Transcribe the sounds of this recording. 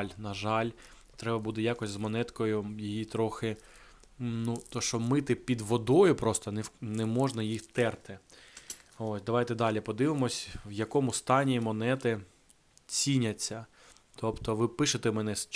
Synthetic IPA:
lʲnɐʒɑlʲ | t̪ɾɛbɐbud̪ɪjɑkɔsʲzmɔnɛt̪kɔjʊjijit̪ɾɔxɪ | nut̪ɔʃt͡ʃɔmɪt̪ɪpʲid̪ʋɔd̪ɔjʊpɾɔst̪ɔnɛnɛmɔʒnɐjixt̪ɛrt̪ɪ | osʲd̪ɐʋɑjt̪ɛd̪ɑlʲipɔd̪ɪʋɪmɔsʲwjɐkɔmʊst̪ɑnʲimɔnɛt̪ɪ | t͡sʲinʲɐt͡sʲːɐ | t̪ɔpt̪ɔʋɪpɪʃet̪ɛmɛnɛs

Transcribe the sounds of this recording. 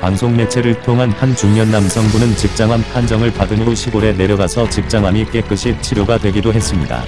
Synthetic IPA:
paŋsʰoŋne̞t͡ɕʰe̞ɾɯɭtʰoŋɦanhant͡ɕuŋɲʌnːamsʰʌŋbunɯnt͡ɕik̚t͡ɕ͈aŋɦampʰand͡ʑʌŋɯɭpadɯnoɕʰiɡoɾe̞ne̞ɾjʌɡasʰʌt͡ɕik̚t͡ɕ͈aŋɦamik͈e̞k͈ɯɕʰit͡ɕʰiɾjoɡadwe̞ɡidoɦe̞s͈ɯmɲida̰

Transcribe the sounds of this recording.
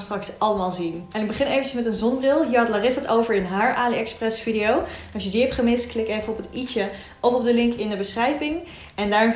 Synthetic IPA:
strɑksɑləmaːlˠzinɛnɪɡ̚bəχɪnejvəncəsmɛtənzɔnbrɪlˠɦiəɑtlaːrɪsətowvəɹɪnɦaːɹʔaːliɛksprɛsfidejownɑsjədiɛpχəmɪstklɪkejvənɔpətit͡ʃə | ɔfɔb̚dəlɪŋkɪndəbəsχrɛjvɪŋ | ɛndaːɹn

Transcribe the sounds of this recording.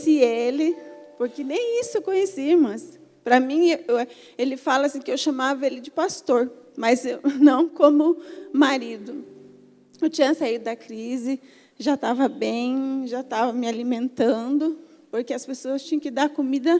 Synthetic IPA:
sielɪpoɾkenẽj̃isʊekõɲesimɐ̃s | pɾɐmĩe | elɪfalɐasĩkɪewʃɐmavɐelɪd͡ʒɪpast̪oɾmɐznɐ̃w̃kõmʊmaɾid̪ʊ | ewt͡ʃĩɲɐsaid̪ʊd̪ɐkɾizɪ | ʒat̪avɐbẽj̃ʒat̪avɐmɪalimẽnt̪ɐ̃d̪ʊ | poɾkeɐspesoɐst͡ʃĩɲɐ̃kɪd̪aɾkomid̪ɐ

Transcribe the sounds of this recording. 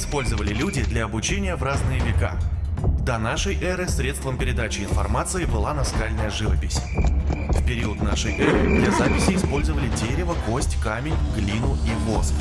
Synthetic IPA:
ɪspo̞lʲzəvəlʲɪlʲudʲɪd̪lʲɐɐbʊt͡ɕenʲɪjəvraznɨjəvʲɪka̰d̪anaʂəjʔɛɾɨsɾʲet̪st̪vəmpʲɪɾʲɪd̪at͡ɕɪɪnfɐ̰rmat̪sɨɪbɨlˠanɐskalʲnəjəʐɨvəpʲɪsʲ | fpʲɪɾʲiʊt̪naʂəjʔɛɾɨ̰d̪lʲazapʲɪsʲɪːspo̞lʲzəvəlʲɪdʲeɾʲɪvəko̞sʲtʲkamʲɪnʲɡlʲinʊʔivos

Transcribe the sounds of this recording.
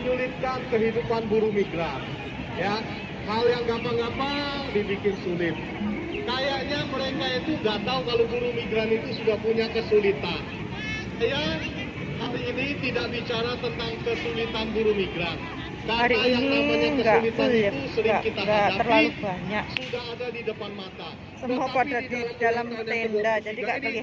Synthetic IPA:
əɲulɪt̪̚kankəɦidupanbuɾumiɡɾan | ja | haljaŋɡapaŋɡapa | dibikɪnsulɪt̪̚ | kajaʔɲaməɾekait̪uŋɡat̪aukalobuɾumiɡɾanit̪usudahpuɲakəsulit̪an | aja | haɾiːnit̪idaʔbit͡ʃaɾat̪ənt̪aŋkəsulit̪anbuɾumiɡɾan | kahaɾiːniaɲaŋkəɡaulɪtt̪usəlɪɡaʔkit̪aɡaərlalubaɲak̚sudaɦadadidəpanmat̪a | səmuapadadidalamt̪enddad͡ʒadiɡakaɡi

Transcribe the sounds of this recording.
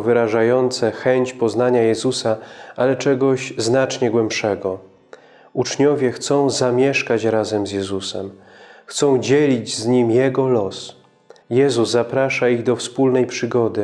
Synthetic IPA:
vɘɾaʐajɔnt̪sɛxɛɲt͡ɕpɔznaɲajɛzusaʔalɛt͡ʂɛɡɔɕznat͡ʂɲɛɡwɛmpʂɛɡɔ | ut͡ʂɲɔvʲjɛxt̪sɔ̃w̃zamʲjɛʂkat͡ɕɾazɛmzjɛzusɛ̰m | xt̪sɔ̃w̃d͡ʑɛlʲid͡ʑzɲimjɛɡɔlɔs | jɛzuzːapɾaʂaiɣd̪ɔfspulnɛjpʂɘɡɔd̪ɘ

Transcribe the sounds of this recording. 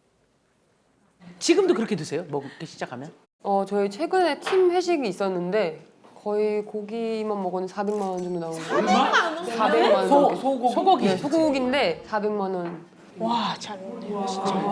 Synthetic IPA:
t͡ɕiɡɯmdokɯɾʌkʰetɯsʰe̞jomʌkɯk͈ʰːeɕʰi̥d͡ʑakʰamjʌn | ʌt͡ɕʌit͡ɕʰwe̞ɡɯne̞tʰimɸwe̞ɕ̬ʰiɡiːs͈ʌnːɯnde̞ | kʌikoɡimanmʌɡʌnɯnsʰabe̞ŋmanʌnt͡ɕomdonaon | sʰabeŋmanʌoesʰɡsʰoɡuiesʰoɡuɡinde̞sʰabe̞ŋmanʌn | at͡ɕʰ

